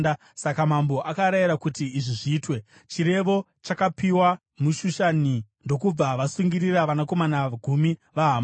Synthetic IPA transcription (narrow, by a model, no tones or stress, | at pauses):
a | sakamambo̞ʔakaɾajiɾakutiːʐiʐiːtwe̞ | t͡ʃiɾe̞ʋo̞ | t͡ʃakapiwa | muʃuʃanindo̞kub͡vaʋasuŋɡiriraʋanako̞manaɡʱumiʋaɦam